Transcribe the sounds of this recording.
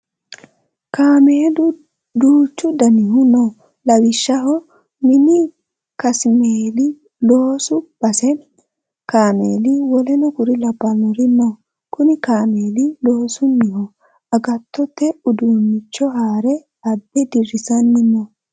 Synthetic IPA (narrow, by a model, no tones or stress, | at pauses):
kaːmeːlʊ | d̪uːt͡ʃːʊd̪ɐnɪɦʊnɔ | lɐwɪʃːɐhɔ | mɪnɪ | kɐsmeːlɪ | loːsʊb̥ɐsɛ | kaːmeːlɪwɔlɛnɔkʊɾɪlɐbːɐlɔɾɪnːɔ | kʊnɪkaːmeːlɪlo̞ːsʊnːɪhɔ | ɐɡɐt̪ʰːɔt̪ːɛʊd̪uːnːɪt͡ʃːɔɦaːɾɛ | ɐbːɛd̪ɪrɪsɐnːɪnɔ